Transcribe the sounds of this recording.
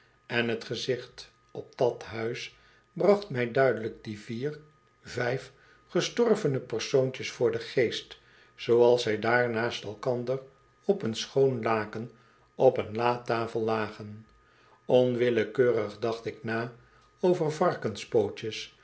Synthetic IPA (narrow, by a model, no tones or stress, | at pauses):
ɛnɦətχəzɪχt | ɔb̚d̥ɑtɦœɥs | brɑχtmɛjdœɥdələk̚diviːr | vɛjf | χəstɔɹvənəpəɹsowɲt͡ʃəsfʊːɹdəχejst | sowɑlˠsʋɛjdaːɹnaːstɛlˠkɑndər | ɔpənsχownlaːkən | ɔpənlaːtaːfəlˠlaːχən | ɔnʋɪləkøːɾəχdɑχtɪknaː | owvəɹvɑɹkənspowt͡ʃəs